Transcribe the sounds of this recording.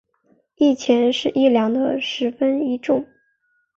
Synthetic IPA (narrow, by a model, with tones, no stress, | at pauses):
i˥˩t͡ɕʰjɛ˧˥nʂɻ̩˥˧ʔi˥˩ljɑ˧˥ŋd̪ə˧ʂɻ̩˧˥fə˥ni˧˥ʈ͡ʂʊ˥˩ŋ